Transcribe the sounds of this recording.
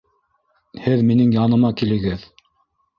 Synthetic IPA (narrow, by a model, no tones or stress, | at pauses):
hɘðminɘŋjɑnɤ̆mɑkilɘ̆ɡɘð